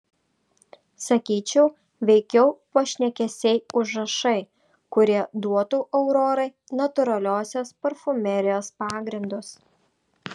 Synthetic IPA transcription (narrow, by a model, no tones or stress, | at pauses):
sɐkʲiːt͡ʃʲɛʊ | ʋʲɛɪkʲɛʊpoːʃʲnʲɛkʲɛsʲɛɪʊʒɾɐʃɐɪ | kʊɾʲiɛd̪uɔt̪uːʔɛʊɾɔːɾɐɪ | nɐt̪ʊɾɐlʲoːsʲoːspɐɾfʊmʲɛɾʲɪjoːspɑːɡɾʲɪnd̪ʊs